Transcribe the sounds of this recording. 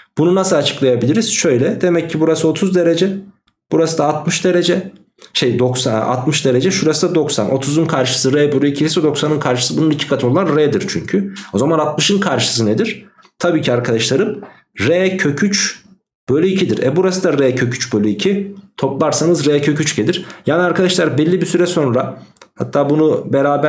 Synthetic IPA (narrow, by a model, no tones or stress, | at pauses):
b̥ununasɯat͡ʃʰɯ̥klˠajabilʲiɾiz̥ʃø̞jlʲɛd̪e̞mɛcʰːibuɾasɯo̞t̪ʰuzd̪e̞ɾe̞d͡ʒɛ | b̥uɾasɯd̪aːt̪̚mɯʃd̪e̞ɾe̞d͡ʒɛ | ʃejd̪o̞ksaa̰t̪mɯʃd̪e̞ɾe̞d͡ʒɛʃuɾasɯd̪ad̪o̞ksa̰nʔo̞̰t̪ʰuzunkʰaɾʃɯ̥sɯɾɛːbølʲyicʰiisɛd̪o̞ksanɯnkʰaɾʃɯ̥sɯbununicʰi̥kʰat̪ʰɯnolˠanɾeːd̪iɾt͡ʃʰy̰ɲcʰyo̞zamanat̪̚mɯʃɯnkʰaɾʃɯ̥sɯned̪iɾ̥ | t̪ʰabiːcʰiaɾkʰad̪aʃlˠaɾɯm | ɾɛːcʰø̞cʰyt͡ʃ | b̥øjlʲyicʰid̪iɾɛ̰buɾasɯd̪aɾeːcʰø̞cʰyt͡ʃbølʲyicʰit̪ʰo̞plˠaɾsanɯzɾeːcʰø̞cyt͡ʃɟelʲiɾ̥jaːniaɾkʰad̪aʃlˠaɾbɛlʲːibisyɾɛso̞nɾahat̪ʰːaːbunubeɾaːbæ